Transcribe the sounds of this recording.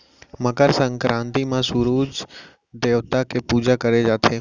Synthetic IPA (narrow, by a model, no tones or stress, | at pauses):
məkəɾsə̃ŋkɾʔãːnt̪imãsʊɾuːd͡ʒ | d̪eːʋt̪akepuːd͡ʒakəɾed͡ʒaːt̪ʰeː